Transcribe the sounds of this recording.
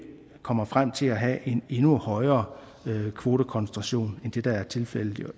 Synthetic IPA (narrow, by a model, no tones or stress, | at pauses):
kʰɒ̽m̰ɐfʁam̰t͡sʰe̝læɦɛʔe̝ne̝nuhɒ̽ɪɐː | kʰʋo̝ːɾ̥əkʰɒ̽nsnd̥ʁɑ̈ɕo̝̰ːnend̥e̝d̥ɑ̈æɐt͡sʰe̝lfel̰ə̥